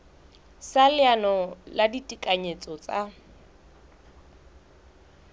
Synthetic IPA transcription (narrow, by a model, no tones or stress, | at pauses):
salɪanɔladitʼikʼaɲet͡sʼɔt͡sʼa